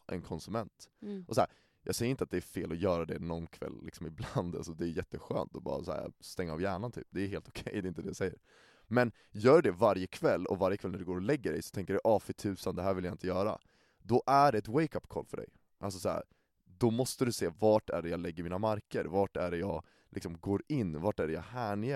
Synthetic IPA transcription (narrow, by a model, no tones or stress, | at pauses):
ʔɛ̰nkʰɔnsɵmɛnt̪ʔɔsæːɾ | jʔɑːɡsɛjəɾɪnt̪əat̪̚d̪ɛæɾfeːlɔjœːɾad̪ɛnɔnkʰvɛ̰lːɪ̰ksɔmɪbland̪a̰lsɔd̪ɛːjɛt̪ːəɧø̰ːnt̪ɔbɑ̰ːɾa̰sæ̰ːst̪ɛŋːaɑ̰vjæːɳant̪ʰy̰ːp̚d̪ɛːheːlt̪ʊ̥kʰɛjːd̪ɛɪnt̪əd̪ɛjasɛjːəɾ | mɛn | jœːɖɖɛvaɾjəkʰvɛlːɔ̰vaɾjəkʰvɛlnæɖɛɡoːɾɔlɛɡːəɖɛ̰jsɔ̥t̪ʰɛŋkəɖɛʔɑːfɪt̪ʰʉ̟ːsand̪ɛɦæːɾvɪljaɪnt̪əjœːɾa̰ | d̪ɔʔæɖɛɛt̪wɛjkapːkʰɔ̰lfœɖɛ̰j | ʔalsɔsaæ̰ːɾ | d̪ɔmɔst̪əd̪ɵseːvɑːʈæ̰ɖɛjɑːlɛɡːəɾmiːnamaɾkəɾvɑʈæɖɛjɑːɡ | lʔɪksɔmɡoːɾɪnːvaʈæɖɛjɑ̰ːhæːɳje